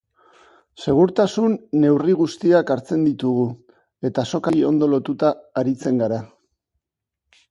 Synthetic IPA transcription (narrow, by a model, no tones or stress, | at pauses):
se̞ɣ̞uɾt̪asunːe̞wriɣ̞ust̪iakaɾt͡se̞nd̪it̪uɣ̞u | e̞t̪aso̞kaio̞nd̪o̞lo̞t̪ut̪aːɾit͡se̞ŋɡaɾa